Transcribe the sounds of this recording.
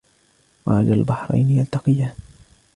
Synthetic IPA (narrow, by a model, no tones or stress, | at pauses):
waʕad͡ʒaalbaħɾˤa̰jnjant̪ɑqɪja